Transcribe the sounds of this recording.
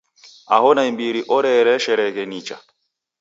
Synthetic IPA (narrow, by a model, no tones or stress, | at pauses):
ahɔnaimbiɾiʔɔɾɛɾɛʃɛɾɛkɛnit͡ʃa̰